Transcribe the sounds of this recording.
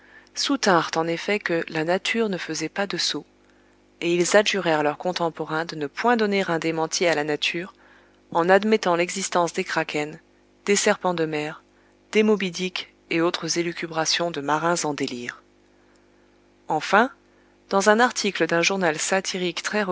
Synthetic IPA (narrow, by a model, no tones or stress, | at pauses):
sut̪ɛ̃ʁt̪ɑ̃nefɛkəlanat̪ʰyʁnəfəzɛpad̪əso | eilzaʒyʁɛʁlœʁkɔ̃t̪ɑ̃pɔʁɛ̃d̪ənəpwɛ̃d̪ɔneʁɛ̃d̪emɑ̃t̪ʰialanat̪ʰyːʁ | ɑ̃nad̪mɛt̪ɑ̃lɛɡzist̪ɑ̃sd̪ekχakʰʲɛn | d̪̥esɛʁpɑ̃d̪əmɛʁ | d̪̥emobid̪ik | eot̪χəzelykʲybʁasjɔ̃d̪əmaʁɛ̃zɑ̃d̪eliːʁ | ɑ̃fɛ̃ | d̪̥ɑ̃zɛ̃naʁt̪ʰikləd̪ɛ̃ʒuʁnalsat̪ʰiʁikt̪χɛʁ